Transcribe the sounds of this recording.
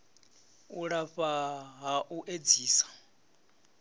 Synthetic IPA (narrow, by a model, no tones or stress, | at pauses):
uɺaɸaɦaʔuʔed͡ziːsḁ